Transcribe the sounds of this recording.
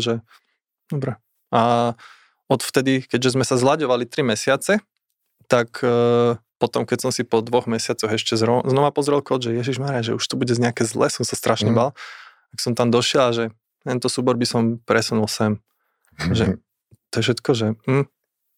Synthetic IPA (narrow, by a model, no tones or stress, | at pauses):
ʒɛ | d̪̥ɔbɾɛ | a | ɔt̪ft̪ɛd̪ikɛɟʒɛzmɛsazlaɟɔʋalit̪ɾimɛsɪat͡sɛ | t̪akʰː | pɔt̪ɔmkɛcsɔmsipɔd̪ʋɔɣmɛsɪat͡sɔɣɛʃcɛzɾɔznɔʋapɔzɾɛlˠkɔʒɛjɛʒiʒmaɛɾaʒɛuʃt̪ubuɟɛɲɛakɛzlɛ̰sɔmsast̪ɾʔaʃɲɛbal | aksɔmt̪amd̪ɔʃɪɛlaʒɛ | t̪ɛnt̪ɔsuːbɔɾbisɔmpɾɛsunulˠsɛm | ʒɛ | t̪ɔjɛfʃɛt̪kɔʒɛm̩